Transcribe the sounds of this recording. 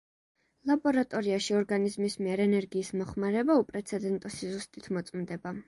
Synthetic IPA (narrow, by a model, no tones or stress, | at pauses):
lˠabɔɾat̪ʼɔɾiaʃiɔɾɡanizmismiɛɾɛnɛɾɡiːsmɔχmaɾɛbaupʼɾɛt̪sʰɛd̪ɛnt̪ʼɔsizust̪ʼit̪ʰmɔt̪sʼmd̪ɛba